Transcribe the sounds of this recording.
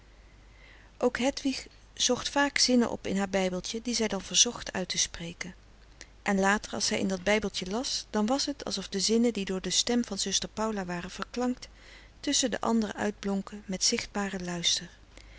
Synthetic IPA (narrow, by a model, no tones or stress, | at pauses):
ʔowkɦɛtʋiχ | z̥ɔχtfaːkz̥ɪnə̰nʔɔ̰pɪ̰nɦaːɹbɛjbəlˠtədizɛjdɑnvəɹzɔχtœ̰ɥtəsprejkən | ʔɛnlaːtəɹɑ̰lˠsɛjʔɪ̰ndɑd̚bɛjbəlˠtjəlɑsd̥ɑnʋɑsɦətʰɑ̰lˠsɔfdəzɪnədidʊːɹdəstɛmvɑnzɵstəɹpɑwlaʋaːrənv̥əɹklɑŋkt | tɵsəndə̰ʔɑ̰ndərə̰ʔœ̰ɥd̚blɔŋkəmɛtsɪχd̚baːrəlœɥstəɹ